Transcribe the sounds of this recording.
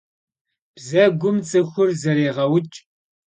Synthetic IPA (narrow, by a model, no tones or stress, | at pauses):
b̥zɐɡʷʊmt͡sʼɨxʷʊrzɐɾeːʁɐwʊt͡ʃʼ